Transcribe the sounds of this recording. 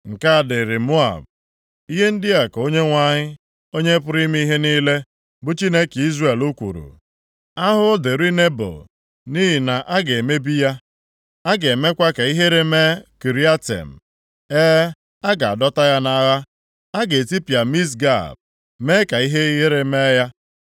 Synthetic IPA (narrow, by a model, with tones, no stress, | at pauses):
ŋ̩˨ka˦a˨dɪ˨ɾɪ˨mu˦a̰˨b̚ | i˦ɦe˦n̩˦dɪ˦a˨ko˦ɲe˦ŋʷa˦ɲɪ˦ | o˦ɲe˦pʊ˦ɾi˦mi˦i˦ɦe˦niː˦le˦ | bʊ˦t͡ʃi˦ne˦ki˦zre˨lu˦kʷṵ˨ɾṵ˨ | a˦ɦʊ˦de˨ɾi˦ne˦bo̰˨ | ni˦ɦi˨na˨ʔa˦ɡe˨me˦bi˦ja˦ | a˦ɡe˨me˦kʷa˦ka˨i˦ɦe˦ɾe˨me˦ki˨ɾi˦a˦tḛ˨m̩˨ | eː˦ | a˦ɡa˨a˨dɔ˦ta˦ja˦na˨ɣa˦ | a˦ɡe˨ti˦pa˨mi˦s̬ɡa̰˦˨b̚ | me˦ka˨i˦ɦe˦ɣe˦ɾe˨me˦ja˦